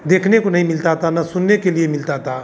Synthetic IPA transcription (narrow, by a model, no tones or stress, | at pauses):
d̪ekʰnekonəɦĩmilt̪at̪anasʊnːekeliemilt̪at̪a